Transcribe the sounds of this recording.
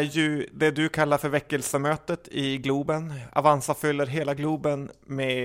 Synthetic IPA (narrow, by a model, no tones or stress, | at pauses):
jɵd̪ɛd̪ɵkʰalːaɾfœɾvɛkːəlsəmøːt̪ət̪ʰɪɡluːbəna̰vansafʏlːəɾɦeːlaɡluːbənmɛ